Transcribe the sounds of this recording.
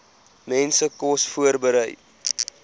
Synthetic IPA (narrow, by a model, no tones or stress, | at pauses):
mɛnsəkɔsfuərbəɾəj